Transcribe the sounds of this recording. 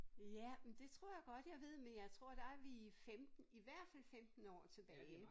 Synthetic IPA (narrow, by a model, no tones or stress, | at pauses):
jæmend̥e̝t͡sʰʁo̝ɐ̰jɑ̈ɪɡ̥ɒ̽d̥jɑ̈ɪʋe̝ð̞̰ˠmenjɑ̈ɪt͡sʰʁo̝ɐ̰d̥ɑ̈æɐʋiifemd̥n̩iʋæɐ̰d̥fæl̰femd̥n̩ɒ̰ːt͡sʰe̝b̥ɛːɪ